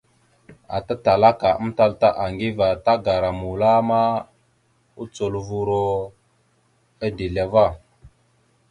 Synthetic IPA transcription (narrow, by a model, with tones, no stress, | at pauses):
a̰˨ta˦ta˨la˦ka˨ə˦mta˦lta˦ʔa˨ŋɡi˦va˨ta˦ɡa˨ɾa˨mu˨la˦ma˦ | u˦t͡so˨lvu˦ɾo˦ | a˦di˨la˨va˦˨